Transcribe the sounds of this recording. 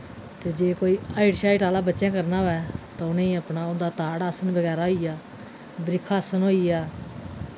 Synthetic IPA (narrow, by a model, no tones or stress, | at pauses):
t̪eːd͡ʒeːkoːiːaːɪʈʃaːiːʈaːlaːbətːʃɛ̃ːkəɾnaːɛːt̪aːʊnẽːəpnaːʊnd̪aːt̪aːɽaːsənbəɡɛːɾaːɦoːijaː | bɾɪkʰaːsənɦoːijaː